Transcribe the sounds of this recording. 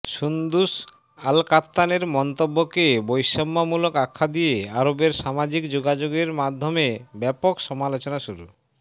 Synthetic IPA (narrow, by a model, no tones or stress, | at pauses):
ʃund̪uʃ | alkat̪ːaneɾmɔnt̪obːokebojʃɔmːamulokakʰːad̪ijeaɾobeɾʃamad͡ʑikd͡ʑoɡad͡ʑoɡeɾmad̪ʱːomebɛpokʃɔmalot͡ɕonaʃuɾṵ